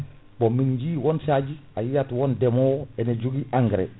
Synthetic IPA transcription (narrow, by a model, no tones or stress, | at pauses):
bomiɲɟiːwonsaɟiajijatwondemoweneɟuɡiʔaŋɡɾḛ